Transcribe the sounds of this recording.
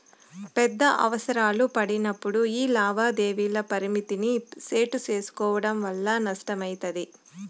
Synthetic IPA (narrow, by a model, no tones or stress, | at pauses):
pɛd̪ːɐʔɐ̰ʋɐsɐɾaːlupɐɽinɐpːuɽuiːlaːʋaːd̪eːʋiːlɐpɐɾimit̪iniseːʈut͡ʃe̞ːsu̥kɔːʋɐɽɐmʋɐlːanɐʂʈɐmɐjt̪ɐd̪i